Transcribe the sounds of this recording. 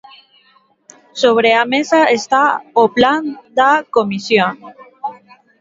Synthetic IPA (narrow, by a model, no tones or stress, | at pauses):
soβ̞ɾeamesaest̪aopland̪akomisjon